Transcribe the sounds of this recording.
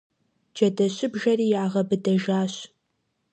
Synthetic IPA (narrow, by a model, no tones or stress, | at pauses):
d͡ʒɐdɐɕʼɪbʒɐriːjaːʁɐbɨdɐʒaːɕ